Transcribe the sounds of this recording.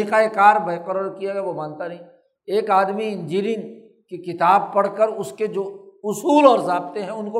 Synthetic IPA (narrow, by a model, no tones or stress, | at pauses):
iqaekaːɾbeːqəɾəɾkijaɡɛjaʋomaːnt̪aɾɐɦĩː | eːkaːd̪miɪ̃ɲd͡ʒiːɾɪ̃ŋɡ | kekɪt̪aːb̚pɐɽkəɾʊsked͡ʒoːʊsuːlɔːɾzaːb̚t̪eɦɛ̃ʊnko